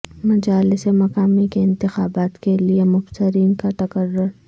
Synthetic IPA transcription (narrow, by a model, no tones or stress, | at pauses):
mɐd͡ʒaːlɪsemɐkaːmikeɪ̃nt̪ɪxaːbaːt̪keliemʊfsɪɾiːnkat̪ɐkəɾːʊɾ